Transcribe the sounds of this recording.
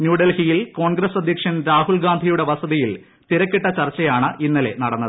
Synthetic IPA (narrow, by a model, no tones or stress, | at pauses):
njuːɖelhijilko̞ːɳɡɾɐsɐd̪ʱjɐkʂɐnɾaːɦuɭɡaːnd̪ʱijuɽe̞ʋɐsɐðijil | t̪iɾɐkːiʈːɐt͡ɕɐrt͡ɕːɐjaːɳɨʔinːɐle̞̰nɐɽɐnːɐðɨ